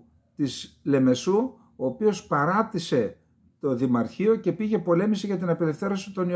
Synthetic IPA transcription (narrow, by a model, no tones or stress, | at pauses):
t̪isle̞me̞su | oːpio̞spɐɾɐt̪ise̞ | t̪o̞ðimɐɾçio̞ce̞piʝe̞po̞le̞misiʝɐt̪inɐpe̞le̞fθe̞ɾo̞si̥t̪o̞ni